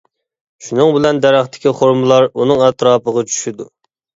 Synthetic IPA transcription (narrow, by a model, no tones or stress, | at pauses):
ʃunɨŋbɪlɛnd̪ɛɾæχt̪ʰɪ̥kʲiχoɾmɨlˠɑɾunɨŋɛt̪ɾɑːpəʁɑt͡ʃʰy̥ʃid̪u